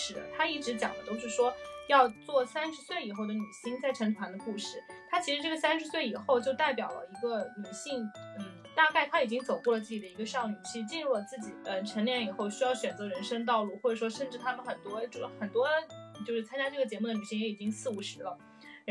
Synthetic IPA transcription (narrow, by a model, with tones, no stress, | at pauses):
ʂɻ̩˧˥t̪ʰa˥i˥˩ʈ͡ʂɻ̩˧˥t͡ɕjɑ̰˨˩ŋd̪ə˦t̪o˥˧ʊʂɻ̩˥˩ʂwɔ˥jɑ˥˧ʊt͡swɔ˥˩sa˥nʂɻ̩˧˥swe˥˩ɪi˨˩xo˥˩ʊd̪ə˩ny˨˩ɕi˥ŋt͡sa˥˩ɪʈ͡ʂʰɤ˧˥ŋt̪ʰwa˧˥nd̪ə˧ku˥˧ʂɻ̩˥˩t̪ʰa˥t͡ɕʰi˧˥ʂɻ̩˧ʈ͡ʂɤ˥˩ɡə˩sa˥nʂɻ̩˧˥swe˥˩ɪi˨˩xo˥˧ʊt͡ɕjo˥˧ʊt̪a˥˩ɪpjɑ˨˩ʊlə̰˦i˧˥ɡə˧ny˨˩ɕi˥˩ŋn̩˥˩ | t̪a˥˧ka˥˩ɪt̪ʰa˥i˨˩t͡ɕi˥ŋt͡so˨˩ʊkɔ˥˩lə˩t͡sɹ̩˥˩t͡ɕi˨˩d̪ə˧i˧˥ɡə˧ʂɑ˥˩ʊny˨˩ɕi˥˧˥t͡ɕi˥˧nɻu˥˩lə˩t͡sɹ̩˥˩t͡ɕi˨˩˦ə˧ʈ͡ʂʰə˧˥nljɛ˥˩ni˨˩xo˥˩ʊɕy˥jɑ˥˩ʊɕɥɛ˨˩nt͡sɤ˧˥ɻə˧˥nʂə˥ŋt̪ɑ˥˧ʊlu˥˧xwɔ˥˩ʈ͡ʂɤ˨˩ʂwɔ˥ʂə˥˧nʈ͡ʂɻ̩˥˩t̪ʰa˥mə˨nxə˨˩nt̪wɔ˥ʈ͡ʂu˥xə˨˩nt̪wɔ˥t͡ɕjo˥˧ʊʂɻ̩˥˩t͡sʰa˥nt͡ɕja˥ʈ͡ʂɤ˥˩ɡə˩t͡ɕjɛ˧˥mu˥˩d̪ə˩ny˨˩ɕi˥˩ŋjɛ˧˥i˨˩t͡ɕi˥ŋsɹ̩˥˩u˧˥˩ʂɻ̩˧˥lə˧